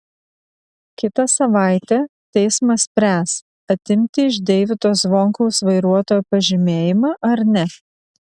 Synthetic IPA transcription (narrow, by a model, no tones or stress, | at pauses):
kʲɪt̪ɐsɐʋɑˑɪt̪ʲɛt̪ʲɛɪsmɐsʲpʲɾʲæːs | ɐt̪ʲɪmʲt̪ʲɪɪʒd̪ʲɛɪʋʲɪt̪oːsʋoːŋkɐʊsʋɐɪɾuɔt̪oːjuːpɐʒʲɪmʲeːjɪmɑːʔɐɾnʲɛ